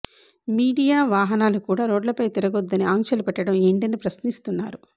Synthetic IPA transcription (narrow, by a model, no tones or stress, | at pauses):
miːɽijaːʋaːɦɐnaːlukuːɽaːɾoːɖlɐpɐjt̪iɾɐɡod̪ːɐniaːŋkʃɐlupɛʈːɐɽɐmeɳɖɐnipɾɐsnist̪unːaːɾu